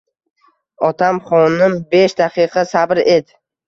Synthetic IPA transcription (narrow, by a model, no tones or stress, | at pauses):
ɒt̪ʰamχɒnɪmbeʃd̪aqʰɨqʰɑsabɾed̪ɪ